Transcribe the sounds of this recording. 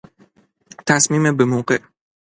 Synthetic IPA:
t̪ʰæsmiːmebemoːɢeʔ

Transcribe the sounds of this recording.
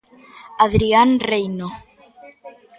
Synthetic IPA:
aðɾianrejno

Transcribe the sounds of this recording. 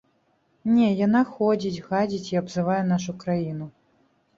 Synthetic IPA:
nʲɛjanaxɔd͡zʲit͡sʲɣad͡zʲit͡sʲiabzɨvajɛn̪aʂukɾajinu

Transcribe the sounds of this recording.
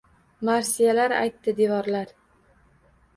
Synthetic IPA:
maɾsijalaɾa̰jt̪ːɪd̪evɒɾlaɾ

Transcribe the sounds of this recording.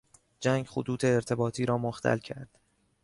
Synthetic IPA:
d͡ʒæːŋɡxot̪uːt̪ʰe̞ːɾt̪ʰe̞bɒːt̪ʰiːɾɒːmoxt̪ʰæ̰lcʰæɾd̪̥

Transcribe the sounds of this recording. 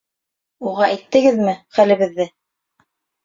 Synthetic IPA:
uʁɑʔæjt̪ːɘ̆ɡɘðmɘχælɘ̆βɘ̆ðːɘ

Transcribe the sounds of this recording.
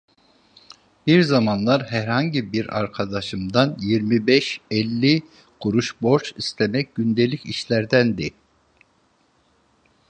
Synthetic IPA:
biɾzamanlˠaɾɦæɾhaɲɟibiɾa̰ɾkʰad̪aʃɯmd̪anjiɾmibɛʃɛlʲːi | ɡ̥uɾuʃbo̞ɾt͡ʃist̪ʰemɛc̚ɟynd̪e̞lʲiciʃlʲæɾd̪ænd̪i

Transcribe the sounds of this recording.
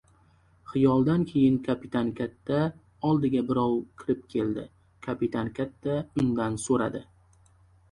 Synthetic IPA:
χɪjɒlˠd̪ankʲʰe̞jɪŋkʰapit̪ʰankʲʰat̪ːa | ɒlˠd̪ɪɡʲabɪɾɒwkʲʰɪɾɪp̚kʲʰe̞ld̪ɪ̰ | kʰapit̪ʰankʲʰat̪ːaʊŋd̪ansoɾa̰d̪ɪ

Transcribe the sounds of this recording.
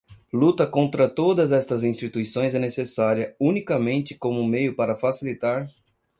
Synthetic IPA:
lut̪ɐkõnt̪ɾɐt̪od̪ɐzɛst̪ɐzĩst͡ʃit̪uisõj̃zɛnesesaɾiɐunikɐmẽnt͡ʃ̪ɪ̥kõmʊmejʊpaɾɐfasilit̪aɾ

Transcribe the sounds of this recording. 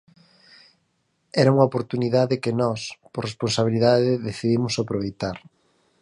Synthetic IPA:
ɛɾauŋɐopoɾt̪uniðaðɪkɪnɔspoɾresponsaβiliðaðɪðeθiðimʊsapɾoβ̞ejt̪aɾ

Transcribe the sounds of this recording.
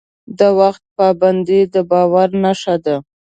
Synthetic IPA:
d̪awaxt̪̚pɑband̪id̪əbɑwaɾnaʃad̪a

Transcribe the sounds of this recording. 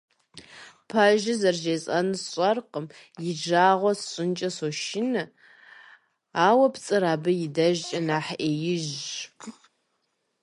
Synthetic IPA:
pʰaʒɪzɐrʒeːsʼɐnɨsɕʼɐrqəm | jɪʒaːʁʷɔsɕʼɪnt͡ʃʼɐsoʃɪnɨ | aːwɐpt͡sʼɨɾaːbɨjɪdɐʒt͡ʃʼɐnaːħʔeːjɪʒ

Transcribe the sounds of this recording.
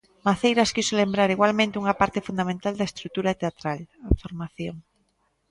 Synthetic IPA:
maθejɾaskisolembɾaɾiɣwalmẽnt̪ɪuŋɐpaɾt̪ɪfund̪amẽnt̪ald̪aest̪ɾut̪uɾat̪eat̪ɾalafoɾmaθjoŋ

